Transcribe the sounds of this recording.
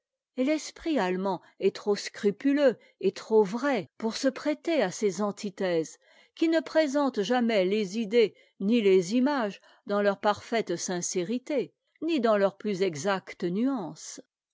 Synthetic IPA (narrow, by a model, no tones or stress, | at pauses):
elɛspχialmɑ̃ | ɛt̪χoskχypylø | et̪χovʁɛpuʁsəpχɛt̪easezɑ̃t̪ʰit̪ɛz | kʲinəpχezɑ̃t̪ʒamɛlezid̪e | nilezimaʒ | d̪ɑ̃lœʁpaʁfɛt̪sɛ̃seʁit̪e | nid̪ɑ̃lœʁplyzɛɡzakt̪ənyɑ̃s